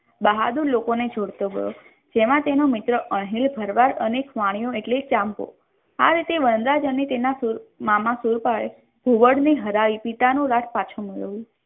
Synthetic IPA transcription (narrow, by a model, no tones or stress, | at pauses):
bəɦad̪uɾlokoned͡ʒʱoɽt̪oɡʱə̰jo̰ | d͡ʒemãt̪enomɪt̪ɾəʔəɳɦilbʱəɾʋaɾənekʋaɽ̃ijõeʈlet͡ʃampo̰ | aɾit̪eʋənd̪ɾad͡ʒənet̪enasuɾmamãsuɾpaɭe | b̥ʱuʋəɽneɦəɾaʋipit̪anũɾaʈʰpat͡ʃʰoməɭə̰ʋũ